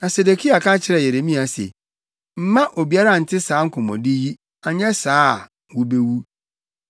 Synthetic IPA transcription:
nã˨se˨de˨kʰi˦a˨kʰã˦t͡ɕʰɪ˦ɾɛ˨je˨ɾe˨mĩ˦a˨sḛ˨ | m̩˦mã˦ʔo˨bi˨˦a˦ɾa˦˨n̩˨tʰɪ˦saː˨˦ŋ̩˦kʰʊ̃˨mɔ̰̃˨dɪ˦ji˦ | a˨ɲɛ̃˦saː˨˦˨ | wʊ˦be˦wu˦

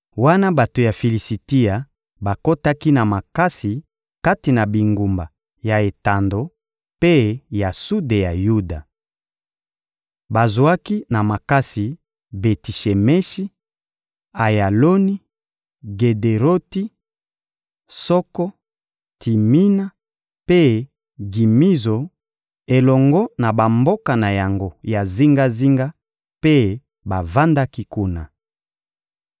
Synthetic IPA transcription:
wa˦na˦ba˨to˨ja˨fi˨li˨si˨ti˦a˨ | ba˨ko˦ta˦ki˦na˨ma˨ka˦si˨ | ka˦ti˨na˨bi˨ŋɡu˨mba̰˨ | ja˨e˨ta˨ndo˨ | pe˦ja˨su˦de˨ja˨ju˦da˨ | ba˨zo˨a˦ki˦na˨ma˨ka˦si˨ | be˨ti˨ʃe˨mɛ˦ʃi˦ | a˨ja˨lo˦ni˦ | ɡe˨de˨ʁo˦ti˦ | sɔ˦kɔ˦ | ti˨mi˦na˦ | pe˦ | ɡi˨mi˦zo˨ | e˨lɔ˨ŋɡɔ˦na˨ba˨mbo˦ka˨na˨ja˨ŋɡo˦ja˨zi˦ŋɡa˦zi˦ŋɡa˦ | pe˦ | ba˨va˦nda˦ki˦ku˦na̰˨

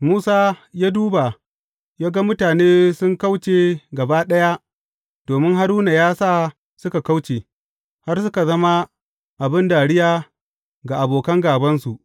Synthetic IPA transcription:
muː˦saː˦jaː˦duː˦ba˨ | jaː˦ɡa˦mʊ˦taː˨neː˦sʊ˦ŋka˦wt͡ʃeː˨ɡɐ˨baː˦ɗɐ˦ja˦ | d̥oː˨mɪ˦ŋɦa˦ɾuː˦na˨jaː˦saː˦ | sʊ˦ka˨ka˦wt͡ʃeː˨ | ha˦rsʊ˦ka˨zɐ˦ma˦ | ʔa˨bɪ˦nda˨ɽɪ˦jaː˦ | ɡa˨ʔa˨boː˨kɐ˦ŋɡaː˨bɐ˦nsu˨ʔ

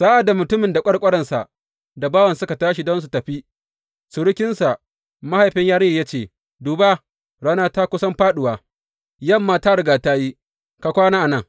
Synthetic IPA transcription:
saː˦ʔa˨da˨mʊ˨tʊ˦mɪ˨nda˨kʷʼɐ˦ɽkʷʼɐ˦ɽɐ˨nsa˨ʔ | da˨baː˦wɐ˨nsʊ˦ka˨taː˦ʃi˨dɔ˦ns̬u˨tɐ˨ɸi˦ | sʊ˨ɽʊ˦kʲɪ˦nsa˨ʔ | ma˦ha˨jɸɪ˦ɲjaː˦ɽɪ˦i˨ja˦t͡ʃeː˨ | duː˨ba˦ | ɽaː˦naː˦ta˦kʷʊ˦sɐ˦mɸaː˦ɗʊ˨waː˨ | jɐ˦˨mːaː˦˨ta˦ɽʊ˨ɡaː˨ta˦ji˦ | ka˨kʷaː˦naː˦ʔa˨nɐ˦ŋ

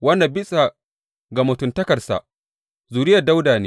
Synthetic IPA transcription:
wɐ˦nːa˨bɪ˦sʼa˨ | ɡa˨mʊ˨tʊ˨ntɐ˦kɐ˨rsa̰˨ | zuː˨ɾɪ˦jɐ˨da˦wdaː˨neː˦

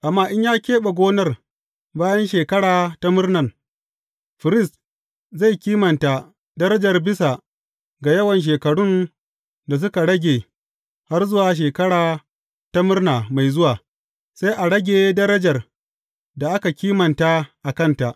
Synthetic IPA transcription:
ʔa˨mːaː˦˨ʔɪ˦ɲjaː˦kʲeː˦ɓa˨ɡʷoː˦nɐ˦r | baː˦jɐ˦nʃeː˨kɐ˦ɽaː˨ta˦mʊ˦rnɐ˨ŋ | ɸɪ˨ɾɪ˦˨st | za˦˨jkʲiː˦mɐ˨nta˨ | dɐ˦ɾɐ˦d͡ʒɐ˨rbɪ˦sa˨ | ɡa˨jɐ˦wɐ˨nʃ̬eː˨kɐ˨ɽʊ˦n | da˨s̬ʊ˦ka˨ɽɐ˦ɡʲeː˨ | ha˦rzʊ˦waː˨ʃ̬eː˨kɐ˦ɽaː˨ | ta˦mʊ˦rnaː˨ma˨jzʊ˦waː˨ | sa˦jʔa˨ɽɐ˦ɡʲeː˨dɐ˦ɾɐ˦d͡ʒɐ˨r | da˨ʔa˦ka˨kʲiː˦mɐ˨nta˦ʔa˨kɐ˦˨nta˨ʔ

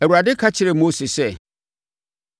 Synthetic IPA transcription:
æ˨wu˨ɾa˨dɪ˦kʰa˦t͡ɕʰɪ˨ɾɪ˨mo˦sɪ˨sɛ˦

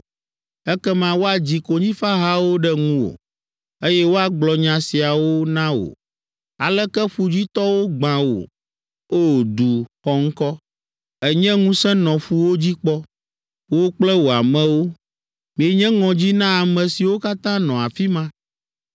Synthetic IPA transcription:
ɛ˦kɛ˦mã˨wo˦a˨d͡ʑi˨ko˨ɲĩ˦fa˦ɦa˦wo˦ɖɛ˦ŋũ˦wo̰˨ | e˦jɛ˦wo˦a˦ɡ͡blɔ˨ɲã˨si˨a˨wo˦nã˦wo̰˨ | a̰˨lɛ˦kɛ˦ɸu˨d͡ʑi˦t̪ɔ˦wo˦ɡ͡bã˨wo̰˨ | o˦d̪u˨xɔ˦ŋ̩˦kɔ˦ | ɛ˨ɲɛ̃˦ŋũ˦sɛ̃˦nɔ̃˨ɸu˨wo˦d͡ʑi˦k͡pɔ˦ | wo˦k͡plɛ˦wo˨a˨mɛ̃˦wo˦ | mĩ˨e˨ɲɛ̃˦ŋɔ̃˨d͡ʑi˦nã˦a˨mɛ̃˨si˨wo˦ka˦t̪ã˦nɔ̃˨a˨fi˦mã˦

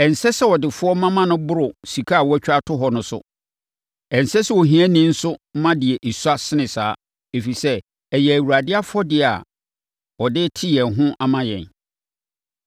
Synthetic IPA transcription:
ɛ˨n̩˨sɛ˦sɛ˦wɔ˨dɪ˨fʊ˦ɔ˦mã˦mã˦nʊ̃˦bʊ˦ɾʊ˨si˨kʰa˦a˨wɔ˦æ˦t͡ɕᶣa˦tʰʊ˦ɦɔ˨nʊ̃˨sʊ̰˦ | ɛ̃˨n̩˨sɛ˦sɛ˦wɔ˨ɦĩ˦æ̃˦nĩ˦n̩˦sʊ˦m̩˦mã˦dɪ˨ɛ˨ʔe˨su˦a˦sɪ˦nɪ̃˨saː˨˦ | e˨fi˨sɛ˦ | ɛ˨jɛ˨æ˨wu˨ɾa˨dɪ˦a˦fʊ˦ɔ˦dɪ˦˨a̰˨ | ɔ˨dɪ˦tʰɪ˦jɛ̃˨nɦʊ̃˦ʔa˦mã˦jɛ̰̃˨n

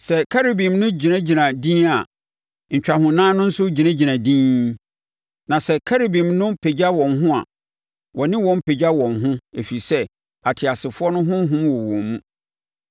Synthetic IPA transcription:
sɛ˨kʰa˦ɾe˨bĩ˨mnʊ̃˦d͡ʑi˨nã˦d͡ʑi˨nã˨dĩ˦a˨ | ɲ̩˨t͡ɕᶣa˨hʊ̃˨nãː˦nʊ̃˦n̩˦sʊ˦d͡ʑi˨nã˦d͡ʑi˨nã˨dĩː˦ | nã˨sɛ˨kʰa˦ɾe˨bĩ˨mnʊ̃˦pʰe˨d͡ʑa˦wɔ̃˨nɦʊ̃˦a̰˨ | wɔ˨nɪ̃˦wɔ̃˨m˦pʰe˨d͡ʑa˦wɔ̃˨nɦʊ̃˦e˨fi˨sɛ˦ | a˨tʰɪ˨a˨sɪ˨fʊ˦ɔ˦nʊ̃˦ɦʊ̃˦m˦ɦʊ̃˦mwɔ˨wɔ̰̃˨mːũ˦

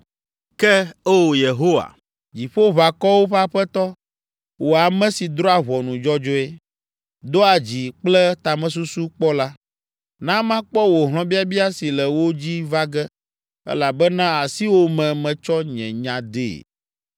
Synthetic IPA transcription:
kɛ˦e˦wo˨je˨ɦo˦wa̰˨ | d͡ʑi˨ɸo˦βa˨kɔ˦wo˦ɸa˦ɸɛ˦t̪ɔ˦ | wo˨a˨mɛ̃˦si˨d̪ɾɔ˦a˨βɔ˨nũ˨d͡ʒɔ˦d͡ʒɔ˦e˦ | d̪o˦a˨d͡ʑi˨k͡plɛ˦t̪a˨mɛ̃˨s̬u˦su˦k͡pɔ˦la˦ | nã˦mã˦k͡pɔ˦wo˨ɦl̃ɔ̃˨˦bi˦a˦bi˦a˦si˨lɛ˨wo˦d͡ʑi˦va˦ɡɛ˦ | ɛ̰˦la˨bɛ˦nã˦a˨si˦wo˦mɛ̃˨mɛ̃˨t͡ʃɔ˦ɲɛ̰̃˨ɲã˨d̪ḛ˦˨

